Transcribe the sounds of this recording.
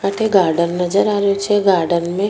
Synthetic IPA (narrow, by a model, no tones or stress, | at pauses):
aːʈʰeɡaːɾɖənːɐd͡ʒəɾaːɾeot͡ʃʰeɡaːɾɖənmẽ